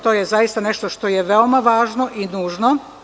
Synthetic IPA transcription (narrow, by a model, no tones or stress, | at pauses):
t̪o̞jezajist̪ane̞ʃt̪oʃt̪o̞jeʋeo̞maʋaːʒno̞ʔinuːʒno̞